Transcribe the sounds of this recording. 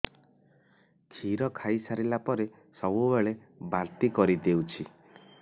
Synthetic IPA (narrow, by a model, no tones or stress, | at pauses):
kʰiɾɔkʰajsaɾilapɔɾe | sɔbubeɭe | baɾt̪ikɔɾid̪ewt͡ʃʰi